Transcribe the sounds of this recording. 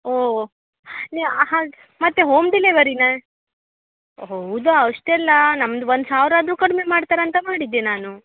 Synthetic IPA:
oː | neɦãː | mɐt̪ːeɦoːmd̪ileʋɐɾinɐ | ɦɐwd̪aɐʂʈɛlːɐnɐmːd̪uʋond̪saːʋɾaːd̪ɾuːkɐɽmemaːɽt̪aːɾɐnt̪ɐmaːɽid̪ːenaːnu

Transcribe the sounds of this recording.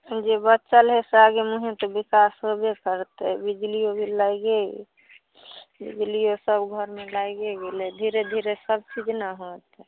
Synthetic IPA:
d͡ʒebətːʃəlɦesaɡemuɦẽt̪obikasɦobekəɾt̪ebid͡ʒliobʱiləɡe | bḭd͡ʒlijosəbɡʱəɾmẽlaɡeɡeled̪ʱiɾed̪ʱiɾesəb̚t͡ʃid͡ʒnəɦot̪

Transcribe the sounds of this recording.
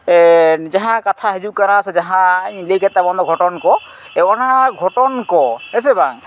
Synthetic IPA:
d͡ʒaɦãkat̪ʰaɦɛd͡ʒukaɾãsɛd͡ʒaɦãleɡɛt̪abɔnd̪ɔɡʱɔʈɔnkɔ | ɔnaɡʱɔʈɔnkɔɛs̬ɛbaŋ

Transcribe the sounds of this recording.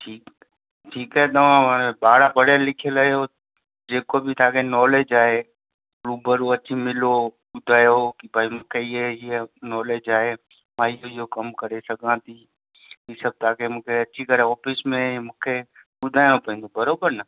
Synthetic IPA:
ʈʰiːk | ʈʰiːkaɦet̪ɐʋ̤ãɓaːɽabɐɽalɪkʰelɐɦjo | d͡ʒeːkobɪt̪ʰaːkenɔːleːd͡ʒaːɦe | ɾuːbəɾoɐt͡ʃʰimɪloɓʊd̪ʱaːjokibʱaːimũːkʰeɪeɪenɔːleːd͡ʒaːɦe | mãɪɦoɪɦokɐmkɐɾesɐɡʱãt̪ʰi | isɐb̚t̪ʰaːkemũːkʰeɐt͡ʃʰikɐɾeɔːfɪsmẽmũːkʰeɓʊd̪ʱaːj̃õpɐĩnd̪obɐɾoːbəɾnɐ

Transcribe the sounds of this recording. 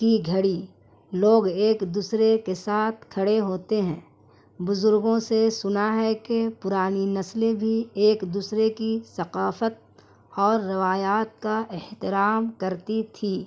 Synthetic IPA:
kiɡʱɐɽi | loːɡeːkd̪uːsɾekesaːt̪ʰkʰɐɽeɦoːt̪eɦɛ̰̃ː | bʊzʊɾɡõsesʊnaɦɛkepʊɾaːninɐslebʱieːkd̪uːsɾekisɐqaːfət̪̚ | ɔːɾːɪʋaːjaːt̪̚kaʔɪht̪ɪɾaːmkɐɾt̪it̪ʰiː

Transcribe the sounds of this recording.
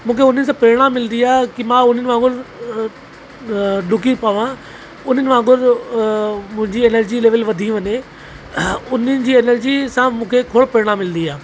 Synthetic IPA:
mũːkʰeʊn̤ənɪ̆s̬ãpeːɾɽ̃ãmɪlnd̪iaːkimãʊn̤ənɪ̆ʋãːɡʊɾ | ɗʊk̬ipaːʋã | ʊn̤ənɪ̆ʋãːɡʊɾ | mʊ̃ɦɪ̃ɲd͡ʑieːnəɾd͡ʑileːʋəlʋɐd̪ʱĩʋɐɲe | ʊnənɪ̆d͡ʑiːeːnəɾd͡ʑisãmũːkʰekʰoːɽpeːɽ̃ãmɪlnd̪iaː

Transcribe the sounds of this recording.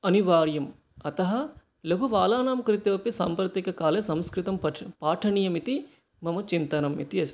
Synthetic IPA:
ɐniʋaːɾjɐm | ɐt̪ɐɦɐ̆ | lɐɦuʋaːlaːnaːmkɾit̪ɐʋɐpisaːmpɾɐt̪ikɐkaːlesɐmskɾɪt̪ɐmpaːʈʰɐɳijɐmit̪i | mɐmɐt͡ʃint̪ɐnɐmit̪iɐs

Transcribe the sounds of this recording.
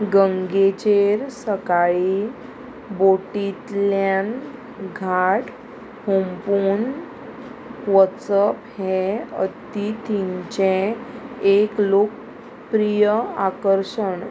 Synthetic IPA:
ɡəŋɡet͡ɕeɾsəkaɭi | boʈit̪ljan | ɡʱaʈ | hompuːn | ʋəsəphɛə̰t̪it̪ʰiɲt͡ɕẽ | eklok̚ | pɾijəakəɾɕəɳ

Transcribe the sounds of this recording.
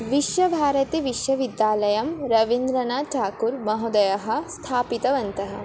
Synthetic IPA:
ʋiʃjɐbʱaːɾɐt̪iʋiʃjɐʋid̪jaːlɐjɐmɾɐʋind̪ɾɐnaːʈʰaːkuɾmɐɦud̪ɐjɐɦɐ̆st̪ʰaːpit̪ɐʋɐnt̪ɐɦɐ̰

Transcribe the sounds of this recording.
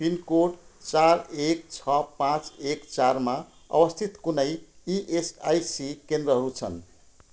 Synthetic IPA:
pinkoʈt͡sarekt͡sʰʌpãt͡sekt͡sarma | ʌ̰bʌst̪ʰit̪kunʌjiʔesajsikend̪ɾʌɦʌɾut͡sʰʌ̰n

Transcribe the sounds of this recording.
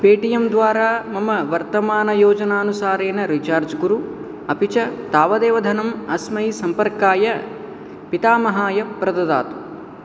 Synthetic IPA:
peːʈijɐmd̪ʋaːɾaːmɐmɐʋɐɾt̪ɐmaːnɐjoːd͡ʒɐnaːɐnusaːɾeːnɐɾit͡ʃaːɾd͡ʒɡuɾu | ɐpit͡ʃɐt̪aːʋɐd̪eːʋɐd̪ʱɐnɐmɐsmɐjisɐmpɐɾkaːjɐ | pit̪aːmɐɦaːjɐpɾɐd̪ɐd̪a̰ːt̪u̥

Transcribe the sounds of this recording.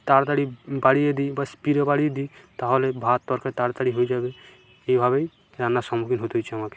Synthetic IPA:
t̪aɾt̪aɽibaɽied̪ibaspiɾebaɽied̪it̪aɦolebʱat̪ːɔɾkat̪aɾt̪aɽiɦoed͡ʒabe | ejbʱaβej | ɾanːasɔmukinɦot̪ɦojt͡ʃʰeamake̥

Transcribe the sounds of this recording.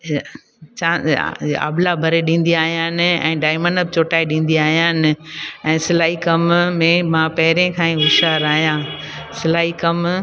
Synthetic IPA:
t͡ɕã̰ːa̰ːblabʱɐɾeɗĩːn̆d̪iaːɦijãːnɪ̆ɛ̰̃ːɖaːɪmə̃ɳɖəbɪt͡ɕoːʈaːiɗĩːn̆d̪iaːɦjãːnɪ̆ɛ̃ːsɪlaːikɐmmẽmãpɐɦɪɾẽkʰãːĩʊʃaːɾaːɦijãː | sɪlaːɦikɐm

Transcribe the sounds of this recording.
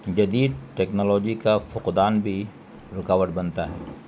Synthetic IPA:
d͡ʒɐd̪iːd̪̚ʈɛːknɔːlɔːd͡ʒikafʊqd̪aːnbʱi | ɾʊkaːwəʈ̪bɐnt̪aɦɛ̰ː

